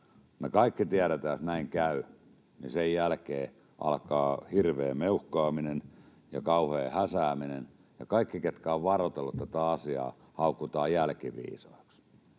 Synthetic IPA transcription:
nekɑikːit̪iæɾet̪æːsnæiŋkæy | nisejjælkeː | ʔɑ̰lkɑːhirʋeːmeuhkɑːminen | jɑkɑuheːhæsæːminen | jɑkɑikːiket̪kæoʋʋɑrot̪elːoet̪ːæt̪æɑsiɑ̰ː | hɑukːut̪ɑːjjælkiʋḭːsɑ̰eks

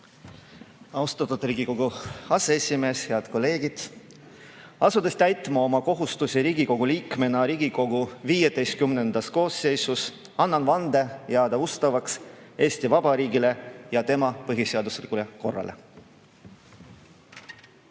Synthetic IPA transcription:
ɑwst̪ɑt̪ud̪ɾiːɡiko̞ɡ̥uɑseesʲime̞ːshe̞ɑd̪̥ko̞lːe̞ːɡid̪̥ | ɑsud̪̥est̪æjt̪ˑmɑo̞mɑko̞ɦust̪usiɾiːɡiko̞ɡ̥uliːkme̞nɑɾiːɡiko̞ɡ̥uviːje̞d̪̥e̞jst̪̚kymnend̪̥ɑsko̞ːsːe̞jsus | ɑnːɑnvɑnd̪̥e̞jɑɑːd̪̥ɑust̪ɑvɑkse̞ːsʲt̪ivɑbɑɾiːɡile̞jɑt̪e̞mɑpɤɦiseɑd̪uslikːˑule̞ko̞̰rːɑ̰lʔḛ

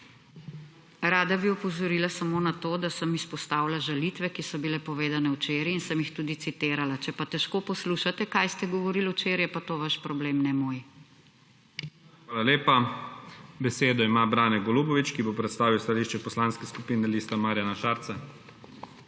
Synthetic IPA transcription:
ɾaːd̪abiɔpɔzɔɾiːlasamoːnat̪oːd̪asəmispɔst̪aːwlaʒalit̪ʋɛkisɔbilɛpɔʋeːd̪anɛwt͡ʃeːɾjiinsəmjixt̪uːd̪it̪sit̪eːɾalat͡ʃɛpat̪ɛʃkoːpɔsluʃat̪ɛkajst̪ɛɡɔʋɔɾilut͡ʃeːɾjɛpat̪oːʋaʃpɾɔbleːmnɛmoːj | xʋaːlaleːpa | bɛseːd̪ɔimabɾaːnɛɡɔluːbɔʋit͡ʃkibopɾɛt̪st̪aːʋiwst̪aliʃt͡ʃɛpɔslanskɛskupiːnɛliːst̪amaːɾjanaʃaːɾt̪sɛ

